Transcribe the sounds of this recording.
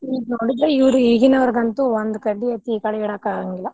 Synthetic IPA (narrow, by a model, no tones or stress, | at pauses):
iːɡunoːɽid̪ɾeiʋɐɾuiɡinɐʋɐɾɡɐnt̪uond̪ukɐɖːiɐt̪ikɐɽɐɛɽaːkaːɡɐŋɡilːɐ